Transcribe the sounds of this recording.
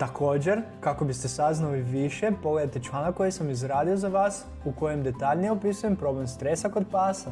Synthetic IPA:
t̪akʰo̞ːd͡ʑe̞ɾkako̞bist̪esaznaliʋiʃe̞po̞ɡle̞d̪at̪e̞t͡ʃlˠaːnakkːo̞jesamizɾaːd̪iozaʋaːs | uko̞je̞md̪e̞t̪aʎnijeopisuje̞mpɾo̞ble̞mst̪ɾe̞sako̞d̪̚paːsa

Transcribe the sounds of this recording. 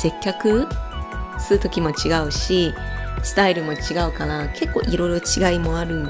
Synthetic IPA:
se̞kʲːakɯ̟ | sɨɾɯ̟t̪o̞kʲimo̞t͡ɕiɡaɯ̟ɕisɨ̥t̪aiɾɯ̟mo̞t͡ɕiɡaɯ̟kanakʰe̞kːo̞ːʔiɾo̞iɾo̞t͡ɕiɡaimo̞aɾɯ̟̃n

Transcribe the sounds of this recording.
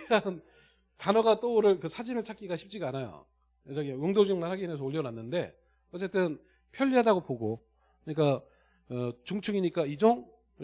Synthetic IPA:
ɾan | tanʌɡat͈ooɾɯɭkɯsʰad͡ʑimɯɭt͡ɕʰak͈iɡaɕʰi̥p̚t͡ɕ͈iɡaanajo̰ | ed͡ʑaɡiɯŋdod͡ʑɯŋmaɭɦaɡines̬ʰʌoʎːʌɾanːɯnde̞̰ | ʌt͡ɕ͈e̞t͈ɯn | pʰjʌʎːiɦadaɡopoɡo | kɯɲik͈a | ɯt͡ɕuŋt͡ɕʰuɡiɲik͈aid͡ʑoŋ

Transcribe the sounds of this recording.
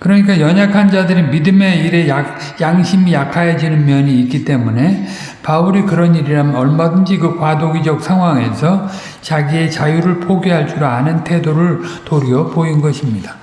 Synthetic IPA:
kɯɾʌɲik̬͈ajʌɲakʰand͡ʑadɯɾimidɯme̞iɾe̞ja | jaŋɕʰimijakʰajad͡ʑinɯnmjʌɲiːk͈it͈e̞mune̞ | pauɾikɯɾʌniɾiɾamʌɭmadɯnd͡ʑikɯkwadoɡid͡ʑʌk̚sʰaŋɦwaŋe̞sʰʌ | t͡ɕaɡie̞t͡ɕajuɾɯɭpʰoɡjiɦaɭt͡ɕ͈uɾoanɯntʰe̞doɾɯɭtoɾiʌpoinɡʌɕʰimɲidḁ

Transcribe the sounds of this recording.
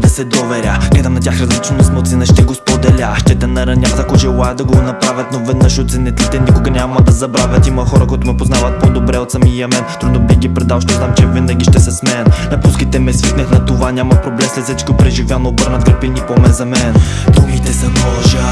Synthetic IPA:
d̪ɐsɛd̪ovɛɾʲaɡ̥lɛd̪ɐmnɐtʲjaxɾɐzlit͡ʃnoɛsmɛt̪sɛnəʃt̪ɛɡospod̪ɛlʲaʃt̪ɛt̪ɛnɐɾɐnʲaft̪ɐkoʒɛlˠajɛd̪ɐɡonɐpɾavʲɐt̪novɛd̪nəʃot̪sɛnɛt̪lit̪ɛnʲikʊɡɐnʲaməd̪ɐzɐbɾavʲət̪imɐxɔɾɐkoit̪ʊmɛpoznavət̪̚pod̪obɾɛot̪səmijɐmɛnt̪ɾud̪nobixɡʲipɾɛd̪alˠʃt̪ɔznamt͡ʃɛvinɐɡʲiʃt̪ɛsɛsmɛnnɐpuskit̪ɛmɛsvik̪nəxnɐt̪ovanʲamɐpɾoblɛmslʲsʲɛt̪t͡ʃkipɾɛʒivʲjanoːbəɾnɐt̪̚ɡəɾpinipomɛnzɐmɛn | d̪uɡit̪ɛsɛmɔʒə

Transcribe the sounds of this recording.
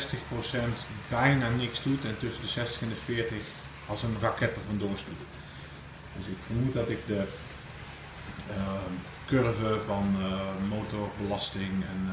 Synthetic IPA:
stəxprosɛntbɛjnaːnɪksdutɛntøsəndəsɛstə̥xɛndəfɪətəx | ɔlˠsənrakɛt̚ərvɔndoəstu | døsɪkfərmut̚dɔtɪk̚də | kørvəvɔnmoːtɔrbəlɑstɪŋɛ̰n

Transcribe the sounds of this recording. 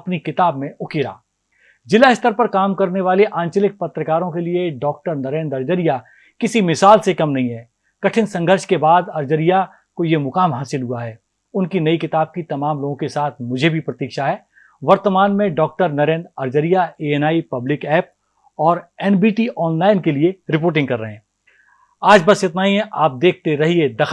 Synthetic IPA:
ɐpnikɪt̪aːb̚mẽʊkeːɾa̰ː | d͡ʒɪlaɦɪst̪əɾpɐɾkaːmkɐɾneʋaːleʔãːɲt͡ʃəlɪk̚pɐt̪ɾəkaːɾõkelieɖɔːk̚ʈəɾnɐɾẽːnd̪ɐɾd͡ʒəɾija | kɪsimɪsaːlsekɐmnɐɦĩɦɛː | kɐʈʰɪnsɐ̃ŋɡʱəɾʃkebaːd̪ɐɾd͡ʒəɾija | kojemʊkaːmɦaːsɪlɦuaɦɛː | ʊnkinɐikɪt̪aːb̚kit̪ɐmaːmloːɡõkesaːt̪ʰmʊd͡ʒʱebʱipɾɐt̪iːkʃaɦɛː | ʋɐɾt̪əmaːnmẽɖɔːk̚ʈəɾnɐɾẽːnd̪ɐɾd͡ʒəɾijaeːɛnaːipɐblɪkɛːp̚ | ɔːɾɛːnbiːʈiːʔɔːnlaːɪnkelieɾɪpoːɾʈ̬ɪ̃ŋɡ̚kɐɾːɐɦẽː | aːd͡ʒbɐsjet̪naːiɛ̃ʔaːp̚d̪eːk̚ʰt̪eɾɐɦied̪ɐx

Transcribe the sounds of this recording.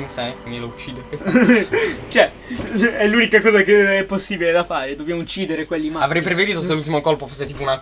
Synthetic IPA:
nsɛkkwind̪ilout͡ʃːiːd̪et̪ | t͡ʃoɛ | ɛlːuːnikakɔːzakeɛpːosːiːbiled̪afaːɾed̪objamout͡ʃːiːd̪eɾekwelːimaavɾɛjpɾeved̪iːt̪os̬elult̪imokolpofosːet̪iːpouna

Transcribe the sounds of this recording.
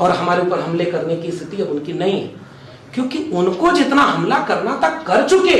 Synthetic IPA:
ɔːɾɦəmaːɾeupəɾɦəmlekəɾnekist̪ʰɪt̪iɦɛʊnkinəĩɦɛ̰ | kjõːkiʊnkod͡ʒɪt̪naɦəmlakəɾnat̪əkːəɾt͡ʃuke

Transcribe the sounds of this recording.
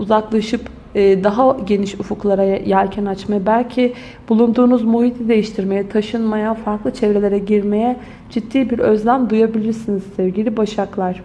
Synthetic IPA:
uzaklˠaʃɯp | ɯːd̪aɦaɟe̞niʃufuklˠaɾajjaɾʲcʰɛnat͡ʃmajabælʲcʰi | bulˠund̪uːnuzmuɦit̪ʰid̪e̞jiʃt̪ʰiɾme̞jɛt̪ʰaʃɯnmajafaɾklˠɯt͡ʃʰɛvɾe̞lʲe̞ɾɛɟiɾme̞jɛ | d͡ʒit̪ːiːbiɾøzlʲæmd̪ujabilʲiɾsiniz̥sɛvɟilʲibaʃaklˠaɾ̥

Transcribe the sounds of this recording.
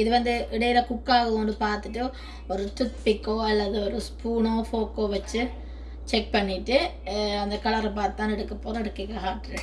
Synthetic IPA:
ɪðɯʋɐnd̪ɯɪɽɐjɪlɐkʊkːaːɣɐɐnd̪ɯpaːɾt̪ɯʈːɯ | ɔɾɯt̪ʊt̪pɪkːoːɐlːɐðɯɔɾɯspuːɳõːfoːkːoːʋɐt͡ʃːɯ | t͡ʃɛk̚pɐɳːɪʈːɯ | ɐnd̪ɐkɐlɐɾɐpaːɾt̪ɯt̪ːãːnɛɽɯkːɐpːoːɾɐɛɽɯkːɪkːɐɦaːʈːɾ

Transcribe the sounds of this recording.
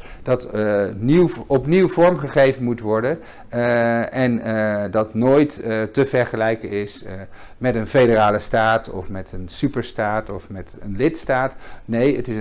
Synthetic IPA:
d̥ɑtniwɔpniwvɔɹmχəχejvənmutʋɔɹdən | ɛndɑtnoːjttəvɛɹχəlɛjkənɪs | mɛtənfejdəraːləstaːtɔ̰fmɛtənsypəɹstaːtɔfmɛtənlɪtstaːtnejətɪs

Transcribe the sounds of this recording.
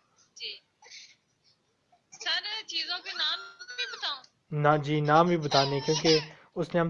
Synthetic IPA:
d͡ʒiː | səɾt͡ʃiːzõːkenaːmbiːbət̪aːũː | nad͡ʒiːnaːmbʱiːbət̪aːnẽːkjõːkeː | ʊsnẽːɦəm

